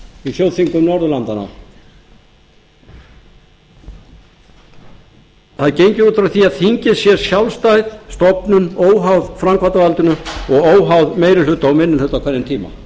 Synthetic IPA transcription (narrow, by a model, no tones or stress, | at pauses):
ifjowðθiŋkʏmnɔɾðʏlant̪ana̰ | θaðcejɲcɪuːt̪ɾawθiaðθiɲcɪsjɛɾ̥sjawlst̪ajðst̪ɔpnʏnoːwɦawðfɾamkʰvaɾt̪avalt̪ʏnʏɔɣoːwɦawðmeːjɾɪlʏt̪ːaɔwmɪnːɪnʏht̪ːawkʰvɛnːɪnt̪ʰiːma̰